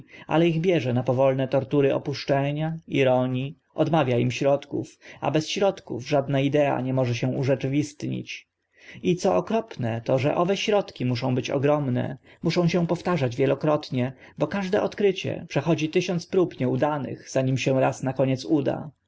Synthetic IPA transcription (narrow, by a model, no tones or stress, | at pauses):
a̰lɛiɣbʲjɛʐɛnapɔvɔlnɛt̪ɔɾt̪uɾɘʔɔ̰puʂt͡ʂɛɲaiɾɔɲi | ɔd̪mavʲjaimɕɾɔt̪kufa̰bɛsɕɾɔt̪kṵvʐad̪naid̪ɛa̰ɲɛmɔʐɛɕɛ̃uʐɛt͡ʂɘvʲist̪ɲḭt͡ɕ | it̪sɔɔkɾɔpnɛt̪ɔʐɛ̰ʔɔvɛɕɾɔt̪kʲimuʂɔ̃w̃bɘt͡ɕɔ̰ɡɾɔmnɛ̰ | muʂɔ̃w̃ɕɛ̃pɔft̪aʐad͡ʑvʲjɛlɔkɾɔt̪ɲɛ | bɔkaʐd̪ɛʔɔt̪kɾɘt͡ɕɛ̰pʂɛxɔd͡ʑit̪ɘɕɔnt̪spɾupɲɛud̪anɘ̰ɣz̥aɲimɕɛ̃ɾasnakɔɲɛt̪sud̪a̰